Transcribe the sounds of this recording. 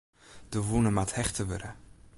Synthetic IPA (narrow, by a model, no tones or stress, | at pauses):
d̥əvunəmathɛχtəʋəɾə